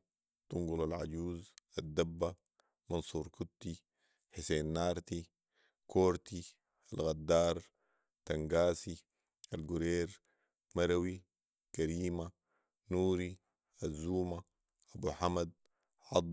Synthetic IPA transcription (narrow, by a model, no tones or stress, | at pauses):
t̪uŋɡulalʕa̰ɟuːzad̪ːabːa | mɑnsuːɾkut̪ːi | ħiseːnːaːɾˤt̪i | kʰoːɾt̪i | alɣad̪ːaːɾˤ | t̪aŋɡaːsi | alɡuɾeːɾ | maɾawi | kaɾiːma | nuːɾi | azːuːma | ʔabuːħamad̪̚ | ʕɑd̪ˤ